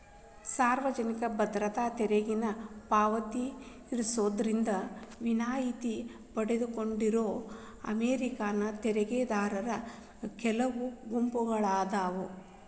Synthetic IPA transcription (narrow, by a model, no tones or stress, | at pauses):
saːɾʋɐd͡ʒɐnikɐbɐd̪ɾɐt̪aːt̪ɛɾeɡinɐpaːʋɐt̪iː | ɾusoːd̪ɐɾind̪ɐʋinaːjit̪i | pɐɽed̪uko̞ɳɖiɾoː | ɐ̰meːɾikaːnɐt̪ɛɾɛɡeːd̪aːɾɐɾɐ | kɛlɐʋuɡumpuɡɐɭaːd̪aːʋu